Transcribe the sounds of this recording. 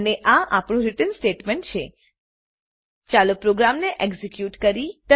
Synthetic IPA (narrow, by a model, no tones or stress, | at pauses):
neʔaʔapɳ̃ũɾiʈənsʈeʈmeɳʈ̚t͡ʃʰḛ | t͡ʃalopɾoɡɾamneʔeɡzikjuʈkəɾit̪ə